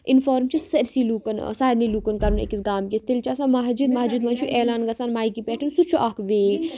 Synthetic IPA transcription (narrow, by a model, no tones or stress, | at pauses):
infoːɾmt͡ʃʰisɐɾsiluːkɐn̰saːɾnilukɐnkɐɾunḛkisɡaːmkʲist̪ilt͡ʃaːsãmaɦd͡ʒud̪mɐɦd͡ʒuːd̪mɐnt͡ʃʰuʔeːlaːnɡɐsaːnmaːikipeːʈʰɐnsut͡ʃʰuʔaːkʋeː